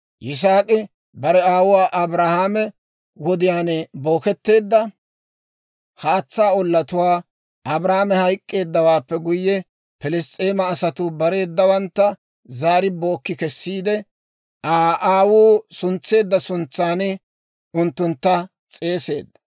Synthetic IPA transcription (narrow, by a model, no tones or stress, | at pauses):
jɪs̬aːkʼɪ | bɐɾɛaːwʊwaːʔɐbɾahaːmɛ | wɔd̪ɪjaːnɛbo̞ːkɛt̪ːe̞ːd̪ːɐ | haːt͡sːaːɔlːɐt̪ʊwaː | ʔɐbɾaːmɛhɐjkʼːe̞ːd̪ːɐwaːpːɛɡʊjːɛ | pɛlɛst̪ʼeːmɐːsɐt̪ʊbɐɾe̞ːd̪ːɐwɐnt̪ːɐ | zaːɾɪbo̞ːkːɪkɛsːiːd̪ɛ | ʔaːʔaːwuːsʊnt͡sːe̞ːd̪ːɐsʊnt͡sːaːnɪ | ʊnt̪ːʊnt̪ːɐ | t͡sʼe̞ːse̞̰ːd̪ːɐ̥